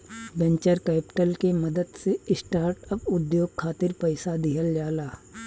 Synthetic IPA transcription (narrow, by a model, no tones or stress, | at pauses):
bɛ̃ɲt͡ʃəɾkɛːpɪ̥ʈəlkeməd̪əd̪seɪsʈaːɾʈəpʊd̪joːɡ̚kʰaːt̪ɪɾpəɪsad̪iːəld͡ʒaːlaː